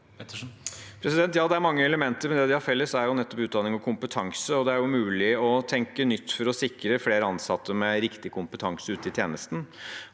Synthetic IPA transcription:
pʰɾɛsɪd̪ɛnt̪jɑːd̪ɛæɾmɑŋːəɛləmɛnt̪əɾmɛnd̪ɛd̪ɪhɑɾfɛlːəsæɾjʊnɛt̪ːɔpʉːt̪̚d̪ɑnɪŋɔkʰʊmpət̪ʰɑŋsəɔd̪ɛæɾjʊmʉːlɪɔt̪ʰɛŋkənʏt̪ːfɔɾɔsɪkɾəfleːɾəɑnsɑt̪ʰːəmɛɾɪkt̪ɪkʰʊmpət̪ʰɑŋsəʉːt̪əɪt̪ʰjeːnəst̪n̩

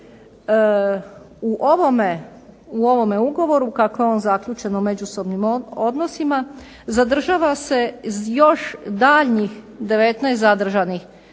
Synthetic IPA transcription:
uʔoʋomeuo̞ʋo̞me̞uɡo̞ʋo̞ɾukakojeo̞ːnzakʎʲuːt͡ʃe̞nome̞d͡ʒuso̞bnimod̪no̞sima | zad̪r̩ʒaːʋase̞zjo̞ʃd̪aːʎɲix | d̪e̞ʋe̞t̪najst̪zad̪r̩ʒanix

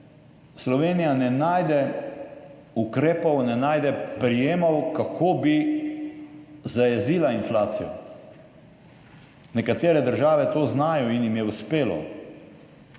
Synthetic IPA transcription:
slɔʋeːnijanɛnaːjd̪ɛ | ukɾeːpɔwnɛnaːjd̪ɛpɾijeːmawkakʰoːbi | zajɛziːlainflaːt̪sijɔ̰ | nɛkat̪eːɾɛd̪əɾʒaːʋɛt̪oːznaːjɔinjimjɛuspeːlɔ̰

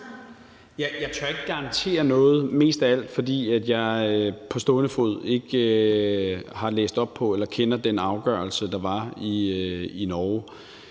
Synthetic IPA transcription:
jæjɑ̈ɪt͡sʰøɐe̝ɡ̥əɡ̥ɑ̈ɑ̈nt͡sʰe̝̰ːɐnɔ̽ːð̞̩ˠme̝̰ːsd̥ææl̰d̥fɒ̽d̥ḭːæd̥jɑ̈ɪpʰɒ̽sd̥ɔ̽ːnəfo̝ð̞̰ˠe̝ɡ̥ø | hɑ̈lḛːsd̥ɒ̽b̥̚pʰɒ̽elɐkʰenɐd̥enɑ̈ʊɡ̥ɶ̰ɐlsəd̥ɑ̈ʋɑ̈iinɒː

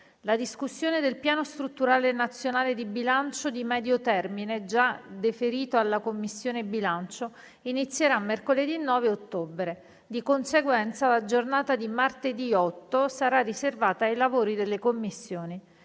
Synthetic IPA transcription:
lad̪iskusːjoːned̪elpjaːnost̪ɾut̪ːuɾaːlenat̪sːjonaːled̪ibilant͡ʃod̪imɛːd̪jot̪ɛrmined͡ʒad̪efeɾiːt̪oalːakomːisːjoːnebilant͡ʃo | init̪sːjeɾamːerkoled̪inːɔːveot̪ːoːbɾe | d̪ikonseɡwɛnt̪salad͡ʒornaːt̪ad̪imart̪ed̪iɔt̪ːosaɾariservaːt̪aːjlavoːɾid̪elːekomːisːjoːni

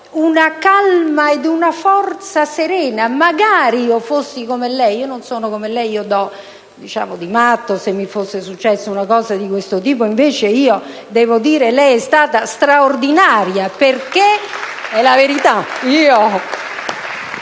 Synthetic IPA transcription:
unakalmaed̪unafɔrt̪saseɾɛːnamaɡaːɾiːofosːikomelɛjiːononsoːnokomelːɛjiːod̪ɔ | d̪it͡ʃa̰ːmod̪imat̪ːosemːifosːesut͡ʃːɛsːaunakɔːzad̪ikwest̪ot̪iːpoiɱveːt͡ʃeiːo | d̪ɛːvod̪iːɾelɛjɛst̪aːt̪ast̪ɾaord̪inaːɾjaperkeɛlaveɾit̪aiːo

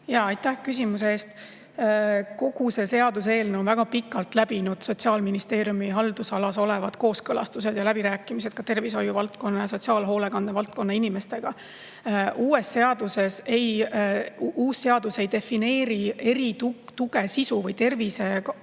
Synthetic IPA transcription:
jɑɑjt̪ːæhkys̬ʲimuseeːst̪ | ko̞ɡ̥use̞se̞ɑd̪use̞ːlneonvæɡ̥ɑpikːˑɑlt̪ˑlæb̥inud̪̥so̞t̪ʲsiɑːlminist̪e̞ːɾjumiɦɑld̪̥usɑlɑso̞le̞vɑd̪̥ko̞ːskɤlɑst̪use̞d̪̥jɑlæb̥iɾæːkːˑimise̞d̪̥̚kɑt̪e̞rvis̬o̞juvɑlt̪̚ko̞nːɑjɑs̬o̞t̪ʲsiɑːlɦoːle̞kɑnd̪̥evɑlt̪̚ko̞nːɑinime̞st̪e̞ɡ̥ɑ | ʔuːe̞sːe̞ɑd̪̥use̞se̞j | uːsːe̞ɑd̪̥use̞jd̪̥e̞fine̞ːɾie̞ɾit̪ut̪uɡ̥e̞sisuvɤjt̪e̞rvise̞k

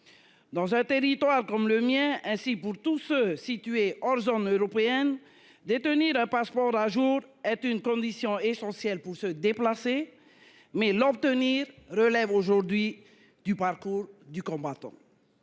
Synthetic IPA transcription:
d̪ɑ̃zɛ̃t̪eʁit̪waʁkɔmləmjɛ̃ɛ̃sipuʁt̪usøsit̪yeɔʁzonøʁɔpeɛn | d̪et̪əniʁɛ̃paspɔʁaʒuʁɛt̪ynkɔ̃d̪isjɔ̃esɑ̃sjɛlpuʁsəd̪eplase | mɛlɔb̚t̪əniʁʁəlɛvoʒuʁd̪ɥi | d̪ypaʁkuʁd̪ykɔ̃bat̪ɑ̰̃

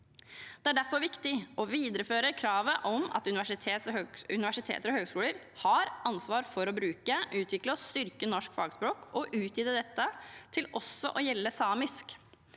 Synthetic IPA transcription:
d̪̥ɛæɖæɾfɔɾʋɪkt̪ɪʔɔʋiːd̪əɾəføːɾəkʰɾɑːʋəʔɔmɑ̰t̪ʉnɪʋæʂɪt̪ʰeːt̪shøʉnɪʋæʂɪt̪ʰḛːt̪əɾɔhøːɡskʉːləɾ | hɑɾɑnsʋɑːɾfɔɾɔbɾʉːkəʔʉːt̪ʰʋɪkləɔst̪ʏɾkənɔʂkfɑːɡspɾoːkɔʔʉːt̪jiːd̪əd̪ɛt̪ːət̪ʰɪlɔsːɔʔɔjɛlːəsɑːmɪsk

